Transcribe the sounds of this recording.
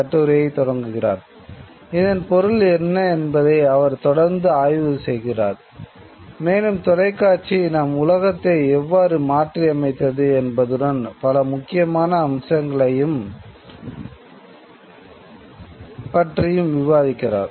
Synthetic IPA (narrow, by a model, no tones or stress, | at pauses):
ɐʈːɯɾjɐɪt̪ɔɽɐŋɡɯɣɪra̰ːɾ | ɪðɐnpɔɾɯlɛnːɐɛnbɐðɐɪɐʋɐɾt̪ɔɽɐɾnd̪ɯaːjʋɯsɛjɣɪra̰ːɾ | meːnɯmt̪ɔlɐɪkːaːɾt͡ʃinɐmʊlɐɣɐt̪ːɐɪɛʋːaːɾɯmaːʈriɐmɐɪt̪ːɐðɯɛnbɐðɯɽɐnpɐlɐmʊkːɪjɐmaːnɐːmsɐŋɡɐɭɐjɯm | pɐʈrɪjɯmʋɪʋaːðɪkːɪra̰ːɾ